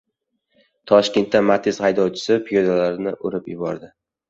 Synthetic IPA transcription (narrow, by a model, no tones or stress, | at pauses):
t̪ʰɒʃkʲe̞nt̪ːanmat̪ʰɪzhajd̪ɒwt͡ʃʰɪ̥sɪpʰɪjod̪alaɾɪnɪʔoɾɪpjɪbɒɾd̪ɪ